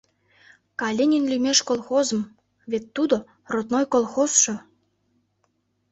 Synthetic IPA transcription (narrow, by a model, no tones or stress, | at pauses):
kɑlʲenʲenlʲymeʃkolˠxozə̆m | βet̪ːud̪o | rot̪nojkolˠxosʃɤ̆